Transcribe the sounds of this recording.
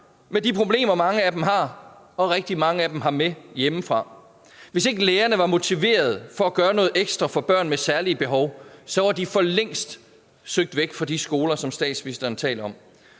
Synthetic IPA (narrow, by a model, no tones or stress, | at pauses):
med̥ipʰʁo̝b̥le̝̰ːmɐmɑ̈ŋəæd̥emɦɑ̈ | ɒ̽ʁɛɡ̥̚d̥imɑ̈ŋəæd̥emɦɑ̈mejeməfʁɑ̈ | ʋe̝se̝ɡ̥əleːɐnəʋɑ̈mo̝t͡sʰiʋe̝̰ːɐð̞̩ˠfɒ̽æɡ̥ɶːɐnɔ̽ːð̞̩ˠeɡ̥sd̥ʁɐfɒ̽b̥ɶɐ̰nmesæɐliəb̥e̝ɦɒ̽ʊsɒ̽ʋɑ̈d̥ifɒ̽leŋ̰sd̥ | søɡ̥̚d̥ʋeɡ̥fɒd̥isɡ̥o̝ːlɐsɒ̽msd̥ɛ̰ːd̥sʋisd̥ɐnt͡sʰɛ̰ːlɐɒ̽m